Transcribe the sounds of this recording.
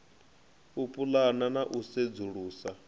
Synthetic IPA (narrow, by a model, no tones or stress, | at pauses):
upʼulananaʔused͡zuɺuːsa